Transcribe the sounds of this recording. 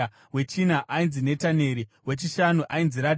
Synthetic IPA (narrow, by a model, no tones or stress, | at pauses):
we̞t͡ʃinaʔainzine̞tane̞ɾiwe̞t͡ʃiʃanuʔainziɾa